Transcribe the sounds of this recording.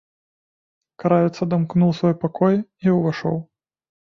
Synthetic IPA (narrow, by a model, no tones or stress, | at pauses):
kaɾavʲɛt̪sɐd̪amknuwsvɔjpakɔjiuvaʂɔ̰w